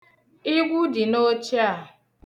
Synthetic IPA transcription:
i˦ɡʷu˦di˨no˦t͡ʃi˦a˨

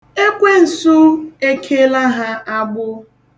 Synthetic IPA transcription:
e˦kʷe˦n̩˨su˦e˦kʰe˦la˦ɦa˦ʔa˦ɡ͡bʊ˦

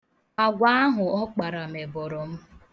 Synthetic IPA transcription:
a˨ɡʷa˦a˦ɦʊ˨ɔ˦k͡pa˨ɾa˨m̩e˨bɔ˨ɾɔ˨m̩˦

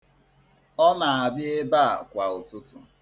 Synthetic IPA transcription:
ɔ˦na˨a˨bɪ˦e˦ba˦a˨kʷa˨ʊ˨tʊ˦tʊ̰˨

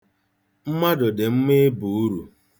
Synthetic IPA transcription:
m̩˦ma˦dʊ˨dɪ˨m̩˦me˦bu˨u˦ɾu˨

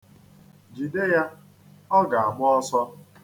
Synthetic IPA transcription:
d͡ʒi˨de˦ja˦ | ɔ˦ɡa˨a˨ɡ͡bʊ˦ɔ˦sɔ˦

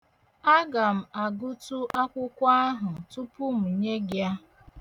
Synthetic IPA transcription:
a˦ɡa˨m̩˨a˨ɡʊ˦tu˦ʔa˦kʷʊ˦kʷa˦ɦʊ˨tʊ˦pʊ˦m̩˨ɲe˦ɡja˦

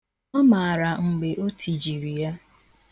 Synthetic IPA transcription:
ɔ˦ma˨a˨ɾa˨ŋ͡m̩˨ɡ͡be˨ʔo˦tʰi˨d͡ʒi˨ɾi˨a˦

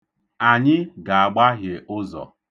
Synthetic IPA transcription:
a˨ɲɪ˦ɡa˨a˨ɡ͡ba˦ɦje˨ʔʊ˦zɔ̰˨

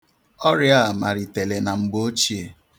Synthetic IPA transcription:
ɔ˦ɾja˦˨ma˨ɾi˨te˨le˨na˨ŋ͡m̩˨ɡ͡bo˦o˦t͡ʃi˦e˨

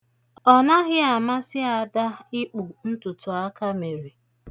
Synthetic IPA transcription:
ɔ˨na˦ɣɪ˦a˨ma˦sɪ˦a˨da˦ɪ˦k͡pu˨n̩˦tʊ˨tʊ˨a˦ka˦me˨ɾe˨

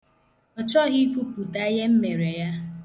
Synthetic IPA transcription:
ɔ˨t͡ʃɔ˦ɣi˦kʷu˦pu˨ta˦je˦m̩˦me˨ɾe˨ja˦

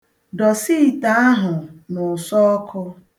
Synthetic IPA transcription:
dɔ˨si˦˨ta˦a˦ɦʊ˨nʊ˨sɔ˦ɔ˦kʰʊ˦

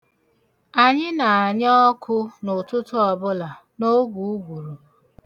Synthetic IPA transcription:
a˨ɲɪ˦na˨a˨ɲɔ˦kʰʊ˦nʊ˨tʊ˦tʊ˦ɔ˨bʊ˦la˨ | no˦ɡʷu˨u˦ɡʷu˨ɾu˨

